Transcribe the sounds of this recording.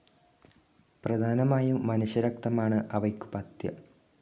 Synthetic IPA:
prɐd̪ʱaːnɐmaːjuːɐnuɕjɐɾɐk̚t̪ɐmaːɳɨʔɐʋɐjkːu̥pɐt̪jɐ̰

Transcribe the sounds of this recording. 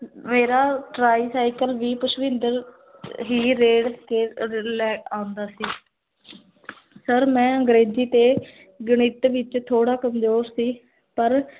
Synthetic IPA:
meːɾaːʈɾaːiːsaːɪkəlʋiːpəʃʋɪ̃nd̪əɾ | ɦiːɾeːɖkeːlɛːãːʊnd̪aːsiː | səɾmɛ̃ːəŋɡɾeːd͡ʒiːt̪eː | ɡəɳ̃ɪt̪ʋɪt͡ʃt̪ʰoːɽaːkəmzoːɾsiː | pəɾ

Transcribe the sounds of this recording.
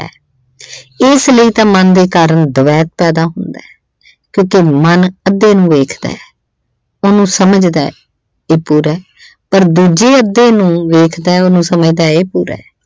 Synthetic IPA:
ɛ̰ː | ɪsləiːt̪ãːmənd̪eːkaːɾəɳd̪əʋɛːt̪̚pɛːd̪aːɦʊnd̪aː | kjõːkemənəd̪ːeːnũːʋeːkʰd̪a̰ː | oːnũːsəməd͡ʒd̪a̰ː | eːpuːɾɛː | pəɾd̪uːd͡ʒeːəd̪ːeːnũːʋeːkʰd̪aːɛoːnũːsəməd͡ʒd̪aːeːpuːɾɛ̰ː

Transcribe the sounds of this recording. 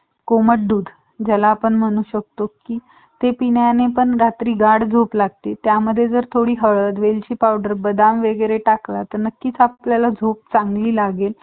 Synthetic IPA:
koməʈ̚ɖuːd̪ʱ | d͡ʑalaːpəɳm̤əɽ̃uːɕək̚t̪okiː | t̪epinjanepəɳɾat̪ɾiːɡaɽd͡zʱoplaɡ̚t̪et̪jaməd̪ʱːjed͡zəɾt̪ʰoɽiːɦəɭət̪ʋelt͡ɕiːpawɖəɾbəd̪amʋeɡəɾeʈaklat̪əɾnəkːiːt͡sapljalad͡zʱop̚t͡saŋɡliːlaɡel

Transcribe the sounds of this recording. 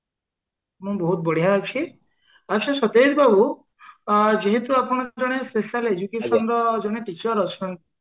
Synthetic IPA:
mũbɔɦut̪̚bɔɽ̤ijɦaɔt͡ʃʰi | at͡ʃʰasɔt̪eɾbabu | d͡ʒiɦet̪uapɔɽ̃ɔd͡ʒɔɽ̃espesaled͡ʒukesɔnɾɔd͡ʒɔɽ̃eʈit͡ʃɔɾɔt͡ʃʰɔnt̪i

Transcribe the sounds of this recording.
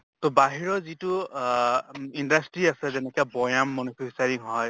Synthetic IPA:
t̪ɔbaɦiɹɔzitu | indastɹiasɛzɛnɛkɛbɔjamːɔnupʰisaɹiŋɦɔj

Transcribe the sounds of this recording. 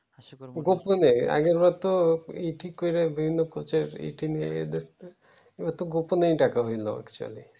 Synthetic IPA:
ɡoponeja̰ɡeɾbat̪oiʈikojɾebibʱinːɔkot͡ʃeɾḭʈinia̰jḛd̪et̪ | ebat̪oɡoponejʈakaɦojlɔ̰ɛ̰kt͡ʃua̰li

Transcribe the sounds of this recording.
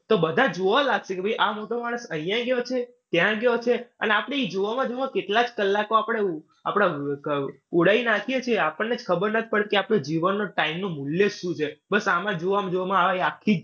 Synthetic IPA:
t̪obəd̪ʱad͡ʒoʋãlaɡʃekebʱəjʔamoʈomaɽ̃əsə̃ɦĩjãɡjot͡ʃʰe | t̪jãɡjot͡ʃʰeə̰neapəɽ̃eid͡ʒoʋamãd͡ʒoãkeʈlad͡ʒkəlːakoapəɽ̃e | a̰pɽ̃aə | uɽainakʰijet͡ʃʰieapəɳːed͡ʒkʰəbəɾnət̪ʰi̥pəɽt̪keapnod͡ʒiʋənːoʈaimnomuljeʃũt͡ʃʰebəsamãd͡ʒoʋamãd͡ʒoʋamãaiakʰːid͡ʒ

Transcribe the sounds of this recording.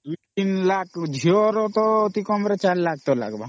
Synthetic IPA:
d̪uit̪inlakd͡ʒʱioɾɔt̪ɔːt̪ikɔmɾet͡ʃaɾlak̚ʰt̪ɔla̰ɡba

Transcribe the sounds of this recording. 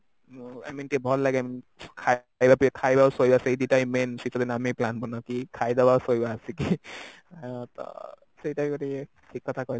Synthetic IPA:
a̰mintiɛbʱɔlːaɡɛamkʰa | jbapiɛkʰajbawsojbasejditajmensitʰɔt̪ɛnameplanbɔnɔkikʰajdabasojbaːsiki | at̪ɔ̰ | sejtajkɔti | kʰikːɔt̪ʰakɔj

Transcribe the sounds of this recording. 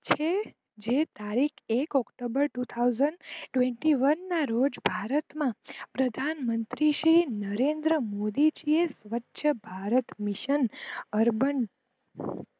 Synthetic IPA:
t͡ʃʰe | d͡ʒet̪aɾikʰekɔkʈobəɾʈut̪ʰawzəɳɖʈʋeɳʈiʋənːaɾod͡ʒbʱaɾət̪mãpɾəd̪ʱanmənt̪ɾiʃɾinəɾend̪ɾəmod̪id͡ʒiesʋətːʃʰəbʱaɾət̪miʃənəɾbəɳ

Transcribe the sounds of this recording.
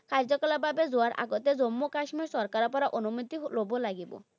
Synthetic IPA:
kaɾd͡ʒɔkɔlabʱabezuaɾa̰ɡɔt̪ezomːokaʃmiɾsɔɾkaɾɔpɔɾaʔonumut̪iɦlobolaɡibɔ̰

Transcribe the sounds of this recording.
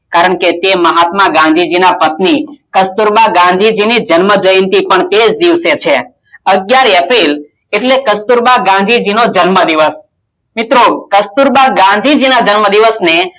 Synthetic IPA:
kaɾəɳket̪eməɦat̪maɡãnd̪ʱid͡ʒinapət̪nikəst̪uɾbaɡãnd̪ʱid͡ʒinid͡ʒənməd͡ʒəjənt̪ipəɳt̪ed͡ʒd̪iʋset͡ʃʰe | əɡjaɾɛpil | eʈlekəst̪uɾbaɡãnd̪ʱid͡ʒinod͡ʒənməd̪iʋəs | mit̪ɾokəst̪uɾbaɡãnd̪ʱid͡ʒinad͡ʒənməd̪iʋəsne

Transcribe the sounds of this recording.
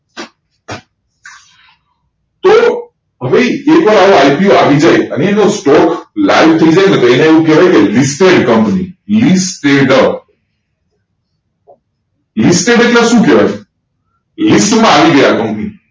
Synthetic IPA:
t̪o | ɦəʋejekʋəɾaʋoajpioaʋid͡ʒajəneenosʈɔklajʋt̪ʰəid͡ʒajnət̪ʰiːneeʋũkɛʋajkelisʈeɖkəmpnilisʈeɖə | lisʈeɖeʈlẽʃũkɛʋa̰jʰ | lisʈmãaʋiɡəjakəmpni

